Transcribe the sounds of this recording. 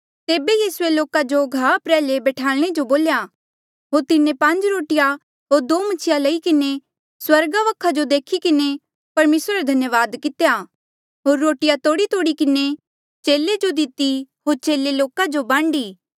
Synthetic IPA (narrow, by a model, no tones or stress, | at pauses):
t̪eːbejiːsʊeloːkad͡ʒoɡʱaːpɾɛːlebɛːʈʰaːlɽ̃ed͡ʒoboːlja | ɦoːɾt̪ɪnẽpɐ̃ɲd͡ʒɾoːʈɪja | ɦoːɾd̪oːmɐt͡ʃʰɪjalɐikɪne | swɐɾɡaʋɐkʰːad͡ʒod̪eːkʰikɪne | pɐɾmeːsɾɾed̪ʱɐnjəʋaːd̪kɪt̪ja | ɦoːɾːoːʈɪjat̪oːɽit̪oːɽikɪne | t͡ʃeːled͡ʒod̪ɪt̪iɦoːɾt͡ʃeːleloːkad͡ʒobãːɳɖiː